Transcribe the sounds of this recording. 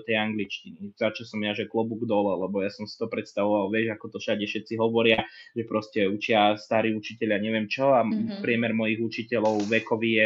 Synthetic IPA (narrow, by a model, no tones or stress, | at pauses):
t̪ɛjaŋɡlit͡ʃciniz̥at͡ʃɔsɔmjaʒɛklɔbuɡd̪ɔlɛlɛbɔjasɔmsi̥t̪ɔpɾɛt̪st̪aʋɔʋalʋɛʒakɔt̪ɔfʃaɟɛfʃɛt̪siɦɔʋɔɾɪaʒɛpɾʔɔscɛut͡ʃɪast̪aɾiːut͡ʃicɛʎɪaɲɛʋɪɛmt͡ʃɔapɾɪɛmɛɾmɔjiɣut͡ʃicɛlɔʊʋɛkɔʋijɛ